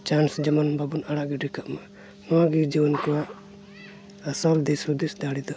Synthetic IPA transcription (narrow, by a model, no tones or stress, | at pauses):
t͡ʃansd͡ʒəmɔnbabunaɽaʔɡiɖikaʔma | nɔwaɡid͡ʒiwɔnkɔwaʔ | asɔld̪ɛsud̪isd̪aɽid̪ɔ